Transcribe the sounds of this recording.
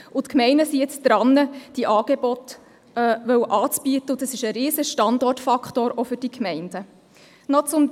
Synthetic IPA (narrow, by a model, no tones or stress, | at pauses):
ʔʊtkmɛɪnəsiɪt͡sd̪̥ɾɑnːəd̥iʔɑːɡ̥ebɔt̪ | ɛʋœwʔɑːt͡sb̥iətəʊd̥̪ɑsɪʃəɾeːzəʃtɑndɔrtfɑktoːɾofʏɾd̥ikʰmɛɪnd̥ə | nɔt͡sʊm